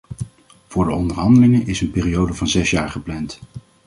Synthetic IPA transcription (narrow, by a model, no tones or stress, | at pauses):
v̥ʊːɹdəɔndəɹɦɑndəlɪŋəʔɪsənpeːriowdəvɑnzɛsjaːɹχəplɛnt